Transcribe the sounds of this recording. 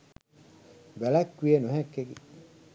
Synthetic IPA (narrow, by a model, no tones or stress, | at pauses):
bælækːwienuɦækːeki